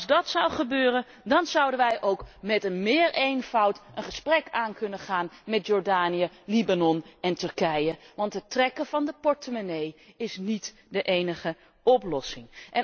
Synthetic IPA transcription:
zdɑtsʌwχəbøːrən | dɑnzʌwdənʋɛjʔowkmɛtənmɪːɹʔejnv̥ʌwtənχəsprɛkaːnkɵnəχaːnmɛtjɔːɹdaːnijə | libanɔnɛntɵrkɛjəʋɑntɦətrɛkəvɑndəpɔɹtəmanej | ɪsnit | dəʔejnəχə | ʔɔplɔsɪŋʔɛn

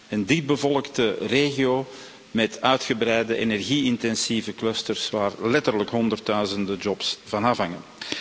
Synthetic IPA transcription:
əndip̚bəvɔlˠəktəreːɣioː | mɛtʰœɥtxəbɾɛjdəʔenɛrɣiɪntɛnsivəkløstərsʋaːrlɛtərləkɦɔndərtœɥzəndəd͡ʒɔpsv̥ɑnaːfɦɑŋən

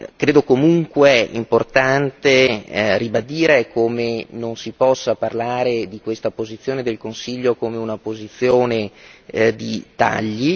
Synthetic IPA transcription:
kɾeːd̪okomuŋkweḭmport̪ant̪eribad̪iːɾekʰoːmenonsipɔsːaparlaːɾed̪ikwest̪apozit̪sːjoːned̪elkonsiʎːokoːmeunapozit̪sːjoːne | d̪it̪a̰ʎːi

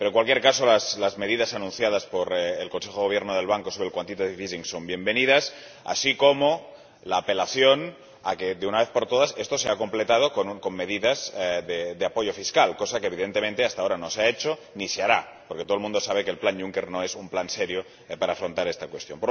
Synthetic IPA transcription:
peɾoŋkwalkjeɾkaso̞laslazme̞ð̞ið̞asanũnθjað̞aspoɾelko̞nse̞xooβjeɾnoð̞e̞lβ̞aŋko̞soβɾelkwant̪it̪aðiβiziŋsombje̞mbe̞niðas | a̰sikomo | laːpe̞laθjo̞n | akeðeunaβe̞θpoɾt̪oð̞ase̞st̪o̞seako̞mple̞t̪að̞o̞konko̞mːe̞ðiðazðed̪eapo̞ʝo̞fiskalko̞sakeβ̞iðent̪ement̪e̞ast̪aoɾanoseaet͡ʃoniseaɾa | poɾket̪olmũnd̪o̞saβ̞e̞keːlplanʝuŋkeɾnoesumplanseɾjo | paɾaːfɾo̞nt̪aɾest̪akwe̞st̪jo̞mpoɾ

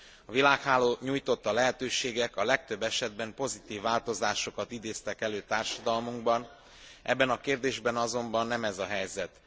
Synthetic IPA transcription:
ɒvilaːkhaːloːɲuːjt̪o̞t̪ːɒlɛɦɛt̪øːʃeːɡɛkɒlɛk̚t̪ø̞bːɛʃɛd̪̚bɛmpo̞zit̪iːvːaːlt̪o̞zaːʃo̞kɒt̪id̪eːst̪ɛkɛløːt̪aːrʃɒd̪ɒlmuŋɡbɒn | ʔɛ̰bːɛnɒkeːrd̪eːʒbɛnɒzo̞mbɒnːɛmɛzɒɦɛjzɛt̪

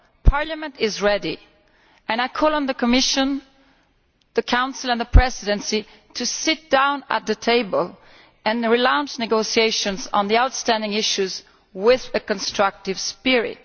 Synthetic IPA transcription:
pʰɑɹlɨmə̃ntɪzɹɛɾi | ɨ̃naɪkʰɔlˠə̃nðɨkʰəmɪʃɨ̃n | ðɨkʰãʊ̃nsl̩ˠə̃nðəpʰɹ̥ɛzɪɾɨ̃nsi | tʰɨsɪt̚d̥ãʊ̃nə̰t̪̚ðɨtʰeɪbəlˠ | ɨ̃nɹilãʊ̃nt͡ʃnɨɡoʊsieɪʃɨ̃nz̃n̩ðiaʊtstæ̃ndɪ̃ŋɪʃʉz | wɪðɨkə̃nstɹ̥ʌk̚tɨv̥spɪɹɪ̰t̚

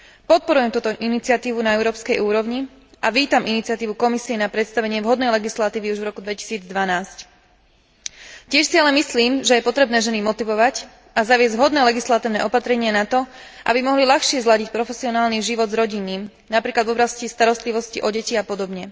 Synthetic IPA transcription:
pɔt̪̚pɔɾujɛmt̪uːt̪ɔʔinit͡sɪat̪iːʋunaɛʊɾɔːpskɛjuːɾɔʊɲi | ʔaʋiːt̪amʔinit̪t͡siat̪iːʋukɔmisiɛnapɾɛt̪st̪aʋɛɲɪɛvɦɔd̪nɛjlɛɡislat̪iːʋiuʒʋɾɔkud̪ʋɛci̥siːd͡zd̪ʋanaːsc | cɪɛʃsialɛmisliːmʒɛjɛpɔt̪ɾɛbnɛːʒɛnimɔt̪iʋɔʋac | azaʋɪɛzɟʋɦɔd̪nɛːlɛɡislat̪iːʊnɛːʔɔpat̪ɾɛɲɪanat̪ɔʔa̰bimɔɦlilaxʃɪɛzlaɟic̚pɾɔfɛsiɔnaːlniʒiʋɔd̪zɾɔɟinːiːm | napɾiːklad̪vɔblascist̪aɾɔst̪liʋɔsciʔɔɟɛciapɔd̪ɔbɲɛ

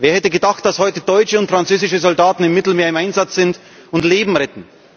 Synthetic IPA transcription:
veːɐhɛtəɡədaχt̚d̥ashɔʏtəd̥ɔʏt͡ʃəʊntfʁ̥ant͡søːzɪʃəzɔldaːtn̩ɪmːɪtl̩meːɐɪmʔaɪnzat͡sz̥ɪnt | ʊntleːbm̩ʁɛtn̩

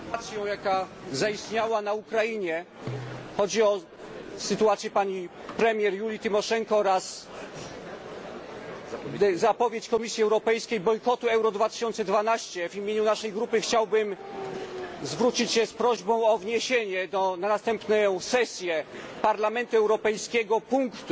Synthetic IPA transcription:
t̪sʲjɔ̃w̃jakazaist̪ɲawanaukɾajiɲɛ | xɔd͡ʑiɔ | sɨt̪uat̪sʲjɛpaɲi | pɾɛmʲjɛɾjulʲit̪ɘmɔʂɛŋkɔɾas | zapɔvʲjet͡ɕkɔmʲisʲjiɛwɾɔpɛjskʲejbɔjkɔt̪uɛwɾɔd̪vat̪ɘ̥ɕɔnt̪sɛd̪vanaɕt͡ɕɛvimʲjeɲunaʂɛjɡɾupɘxt͡ɕawbɘm | zvɾut͡ɕit͡ɕɕɛspɾɔʑbɔ̃w̃ɔvɲeɕeɲɛd̪ɔnanast̪ɛmpnɛsɛsʲjɛpaɾlamɛnt̪uɛwɾɔpɛjskʲɛɡɔpuŋkt̪

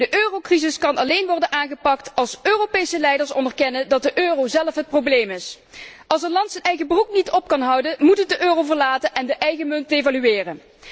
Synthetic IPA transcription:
dəʔøːrowkrizɪskɑnɑlejnʋɔrdənaːnɣəpɑktɑlˠsøːropejsəlɛjdəɹsɔ̰ndəɹkɛnəndɑt̚dəʔøːrowzɛləfɦət̚problejmɪs | ʔɑlˠsəlɑntsənɛjɣəbruknitɔpkɑnɦʌwdənmutətdəʔøːrowvəɹlaːtənʔɛndəʔɛjɣəmɵntejvalyɪːrən

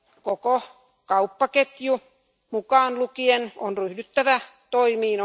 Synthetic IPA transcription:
koko | kɑupːɑket̪ju | mukɑːnlukienonryhdyt̪ːæʋæ | t̪oimiːn

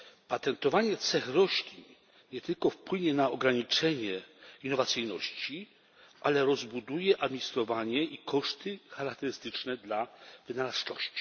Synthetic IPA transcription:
pat̪ɛnt̪ɔvaɲɛt̪sɛxɾɔɕlʲiɲ | ɲɛt̪ɘlkɔfpwɘɲɛnaɔɡɾaɲit͡ʂɛɲɛinːɔvat̪sɘjnɔɕt͡ɕi | ʔalɛɾɔzbud̪ujɛʔad̪mʲiɲist̪ɾɔvaɲɛikʰɔʂt̪ɘxaɾak̚t̪ɛɾɘst̪ɘt͡ʂnɛd̪lavɘnalast͡ʂɔɕt͡ɕi̥

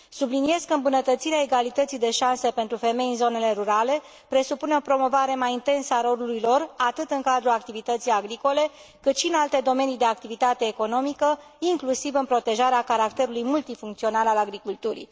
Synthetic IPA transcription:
sublinie̞skəɨmbunət̪ət̪siɾeae̞ɡalit̪ət̪sijd̪e̞ʃansepe̞nt̪ɾufe̞me̞jɨnzo̞ne̞le̞ɾuɾale̞ | pɾe̞supuneopɾo̞mo̞vaɾe̞majint̪e̞nsəaɾo̞luluijlo̞rat̪ɨt̪ɨŋkad̪ɾulak̚t̪ivit̪ət̪sijaɡɾiko̞le̞ | kɨt̪ʃiɨnalt̪e̞d̪o̞me̞nid̪e̞ak̚t̪ivit̪at̪e̞ːko̞no̞mikə | iŋklusivɨnpɾo̞t̪e̞ʒaɾeakaɾak̚t̪e̞ɾulujmult̪ifuŋkt̪sio̞nalalaɡɾikult̪uɾḭ

